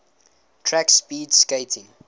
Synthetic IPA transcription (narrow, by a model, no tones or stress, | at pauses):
tʰɹækspiːdskeɪtʰɪ̃ŋ